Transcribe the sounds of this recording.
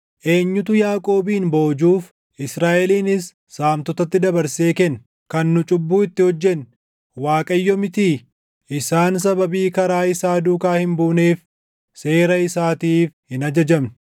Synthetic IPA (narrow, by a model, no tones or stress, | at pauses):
ʔe̞ːɲːʊt̪ʊjaːkʼo̞ːbiːnbo̞ːd͡ʒuːf | ʔɪsɾaːʔɛliːnɪsː | aːmt̪ɔt̪ɐt̪ːɪd̪ɐbɐɾseːkɛn | kɐnːʊt͡ʃʼʊbːuːɪt̪ːɪhɔd͡ʒːɛn | waːkʼɐjːɔmɪt̪iː | ʔɪsaːns̬ɐbɐbiːkɐɾaːɪsaːd̪uːkaːhɪmbuːneːf | se̞ːɾɐɪsaːt̪iːfhɪnɐd͡ʒɐd͡ʒɐmn